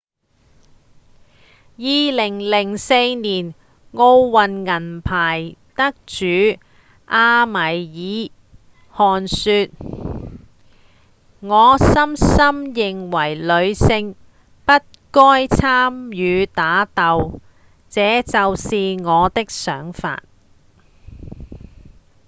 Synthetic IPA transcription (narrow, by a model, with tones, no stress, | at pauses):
jiː˨˧lɪ˨˩ŋlɪ˨˩ŋse˧jniː˨˩n | ŋo˧wwɐ˨nŋɐ˨˩npʰaː˨˩jt̪ɐ˥k̚t͡ʃyː˨˥ | ʔaː˧mɐ˨˩jjiː˨˥ | hɔː˨nsy˧t̚ | ŋɔː˨˧sɐ˥msɐ˥mjɪ˨ŋwɐ˨˩jlɵ˨˧ɥsɪ˧ŋ | pɐ˥t̚kɔː˥jt͡sʰaː˥mjyː˨˧t̪aː˨˥t̪ɐ˨w | t͡sɛː˨˥t͡sɐ˨wsiː˨ŋɔː˨˧t̪ɪ˥k̚sœː˨˥ŋfa̰ː˧t̚